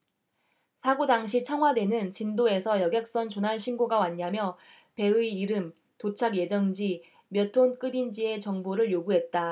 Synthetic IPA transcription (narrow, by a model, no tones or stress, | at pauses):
sʰaɡodaŋɕ̬ʰit͡ɕʰʌŋɦwadwe̞nɯnt͡ɕindoe̞sʰʌjʌɡjʌk̚s͈ʌnt͡ɕonaɭɕʰinɡoɡawaɲːamjʌ | pe̞ɯiːɾɯm | tot͡ɕʰaɡje̞d͡ʑʌŋd͡ʑi | mjʌtʰonk͈ɯbind͡ʑie̞t͡ɕʌŋboɾɯɭjoɡuɦe̞t̚t͈a